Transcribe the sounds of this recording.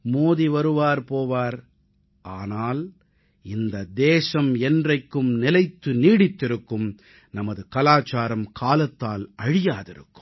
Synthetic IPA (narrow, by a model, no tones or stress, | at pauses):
moːðiʋɐɾɯʋaːɾpoːʋaːɾ | ʔaːnaːl | ɪnd̪ɐd̪eːsɐmɛndrɐɪkːɯmnɪlɐɪt̪ːɯniːɽɪt̪ːɪɾɯkːɯm | nɐmɐðɯkɐlaːt͡ʃaːɾɐmkʰaːlɐt̪ːaːlɐɻɪjaːðɪ̰ɾɯ̰kːɯ̥mm